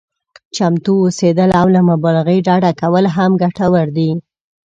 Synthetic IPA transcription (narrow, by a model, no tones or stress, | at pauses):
t͡ʃamt̪uosed̪əlawlamabɑlaɣəjɖɑɖakawəlɦamɡaʈawəɾd̪i